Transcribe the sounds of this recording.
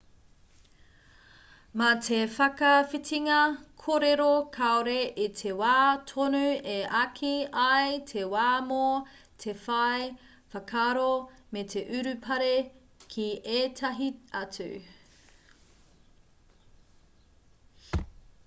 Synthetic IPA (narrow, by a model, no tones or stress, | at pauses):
mɐtʰefɐkɐfitiŋɐkʰoɾeɾokʰaoɾeʔitʰewaːtʰonʉeʔɐkʰiɐjtʰewaːmo | tʰefɐj | fɐkʰaɾometʰe̞ʔʉɾʉpʰɐɾe | kʰieːtʰɐɦiɐt͡sʉ̰